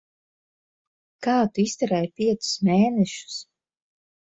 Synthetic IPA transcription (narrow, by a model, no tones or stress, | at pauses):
kaːt̪uist̪ɛɾɛjpʲiɛt̪sʊ̥smeːnɛʃu̥s